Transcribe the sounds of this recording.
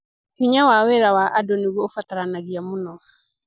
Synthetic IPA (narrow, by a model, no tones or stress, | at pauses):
hiɲawaweɾawaʔadɔniɣwɔofataɾanaɣiamonɔ